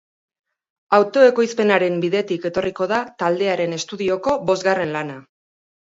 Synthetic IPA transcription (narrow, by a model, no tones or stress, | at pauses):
awt̪o̞e̞ko̞jspe̞naɾe̞mbiðe̞t̪ike̞t̪o̞riko̞ð̞at̪ald̪e̞aɾe̞ne̞st̪uðio̞ko̞βo̞zɣare̞nlana